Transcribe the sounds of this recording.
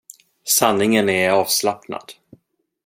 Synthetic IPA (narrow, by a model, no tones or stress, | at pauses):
sanːɪŋənɛɾɑːvslapna̰d̪̥